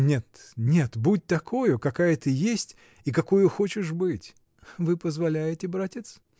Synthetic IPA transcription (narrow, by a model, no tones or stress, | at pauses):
nʲe̞t̪nʲe̞t̪but̚ʲt̪ɐkʰo̞jʊkɐkajət̪ɨjesʲtʲ | ikɐko̞jʊxo̞t͡ɕɪʂbɨtʲ | vɨpəzvɐlʲæjɪtʲɪbɾatʲɪt̪s